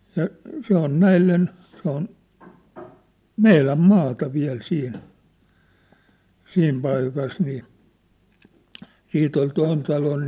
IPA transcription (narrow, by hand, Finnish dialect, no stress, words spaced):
jɑ se on næilːen se on meilæm mɑːtɑ ʋiæl siːn siːm pɑikɑs niː siːt ol toin tɑlon